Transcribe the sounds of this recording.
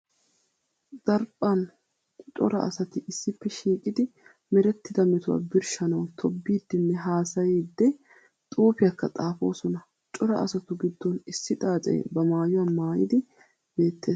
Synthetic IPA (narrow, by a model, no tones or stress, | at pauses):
d̪̥ɐɾpʼːɐn | t͡ʃʼɔ̰ɾɐ̰ʔɐ̰sɐt̪ɪʔɪsːɪpːɛʃiːkʼɪd̪ɪ | mɛɾɛt̪ːɪd̪ɐmɛt̪ʊwa̰ːbɪɾʃɐnɐwt̪ʰɔbːiːd̪ːɪnːɛɦaːsɐjiːd̪ːɛ | t̪ʼuːpɪjɐkːɐt̪ʼaːfo̞̰ːsɔnɐ | t͡ʃʼɔɾɐ̰ʔɐsɐt̪ʊɡɪd̪ːɔnɪsːɪt̪ʼaːt͡sʼɛ̰j̰bɐmaːjʊwɐnmaːjɪd̪ɪ | b̥e̞ːt̪ːe̞ːs